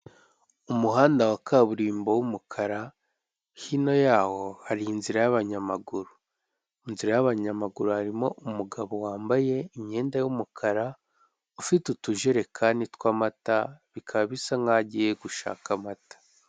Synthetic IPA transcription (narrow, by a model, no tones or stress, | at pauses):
umuɦaːndawakʰaβuɾiːmbo̞wumukʰaɾa | hino̞jaːho̞haɾiːnziɾajaβaɲamaɡuɾu | inziɾajaβaɲamaɡuɾuhaɾimo̞ʔumuɡaβo̞waːmbaje̞imɲe̞ːndajumukʰaɾa | ufitutuʒeɾe̞kʰaːnitwaːmataβikʰaββisaŋaɟijeɡuʃa̰ːkamatḁ